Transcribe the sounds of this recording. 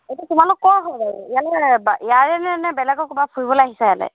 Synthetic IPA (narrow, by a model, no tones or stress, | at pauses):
ejtatumalʊkːɔɹɦɔlbaɹṵijalɛbaijaɹɛnɛnɛbɛlɛɡɔkubapʰuɹibɔleaɦisajalɛ̰